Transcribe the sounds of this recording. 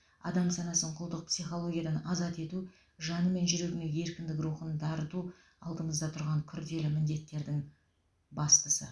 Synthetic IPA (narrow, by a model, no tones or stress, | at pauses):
ɑ̰d̪ɑmsɑnɑsəɴqʰʊlˠd̪əq̚psijχo̞lˠo̞ɡʲijɑd̪ɑnɑzɑt̪e̞t̪u | ʒɑnəme̞nʒʏɾe̞ɡʲɪnee̞ɾkʲɪnd̪ɪk̬ɾuχənd̪ɑɾət̪u | ɑ̰lˠd̪əɴəzd̪ɑt̪ʰʊɾʁɑŋkʲʰʏɾd̪e̞lɪmɪnd̪e̞t̪ːe̞ɾd̪ɪŋ | bɑst̪əsə̰